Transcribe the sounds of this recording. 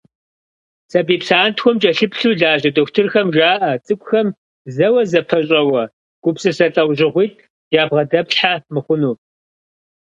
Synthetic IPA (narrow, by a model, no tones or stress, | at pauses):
sɐbiːpsaːntxʷɔmt͡ʃʼɐɬɨpɬuːɮaːʑɐdoxʷtʰɨrxɐmʒaːʔɐt͡sʼɨkʷʼʊxɐm | zɐwɐzɐpʰɐɕʼɐwɐ | ɡ̥ʷʊpsɨsɐɬʼɐwʑɪʁʷiːt̚ʰ | jaːbʁɐdɐpɬħamɨχʷʊnuː